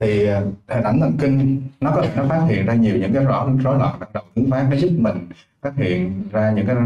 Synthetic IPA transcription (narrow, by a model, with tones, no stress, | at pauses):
t̪ʰi˨˩˨t̪ʰe˧˩nʔa˧˩jŋt̪ʰə̰˨˩nki˧ŋ̟nɔ˨˦kɔ˨˦t̪ʰe˨˧˩nɔ˨˦faː˦˥t̚hḭ˧˨ənzaː˧ɲi˨˩əwɲɨ̰˧˥ŋkaː˨˦jzɔ̰˧˦˨zo˨˦lɔ̰ː˧˨nɗa˨˩ɗə˨˩wt̪ʰɨ˨˦ŋfaː˦˥kaː˨˦zʊ˦˥k̚mï˨˩ŋ̟ | faː˦˥t̚hḭ˧˨ənzaː˧ɲɨ̰˧˥ŋkaː˨˦